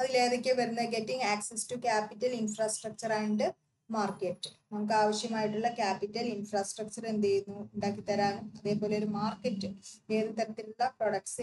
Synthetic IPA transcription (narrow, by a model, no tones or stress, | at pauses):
ɐðile̞ːðekʲːeʋɐɾunːɐɡe̞tːiŋɡaːksɐstukaːpitːɐlinfraːsʈrɐk̚t͡ɕɐraːjuɳɖɨ | maːrkeʈːɨ̥nɐmuk̬ːɨaːʋɐɕjɐmaːjiʈːuɭːɐkaːpitːɐlinfraːsʈrɐk̚t͡ɕɐrend̪ejunːuuɳɖaːkːit̪ːɐɾaːnɐðe̞ːpoːle̞oɾumaːrkɐʈːɨeːðut̪ːɐɾɐt̪ːiluɭːɐproɽɐkʈs